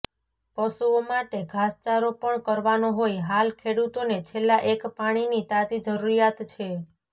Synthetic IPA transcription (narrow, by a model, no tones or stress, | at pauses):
pəʃuomaʈeɡʱast͡ʃaɾopəɳkəɾʋanoɦojɦalkʰeɽut̪onet͡ʃʰelːaʔekpaɽ̃init̪at̪id͡ʒəɾuɾijat̪t͡ʃʰe